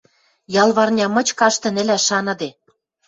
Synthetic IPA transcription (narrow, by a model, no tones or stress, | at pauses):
jɑlˠβɑrnʲɑmɤ̆t͡ɕkɑʃt̪ɤ̆nɘ̆lʲæʃɑnɤ̆d̪e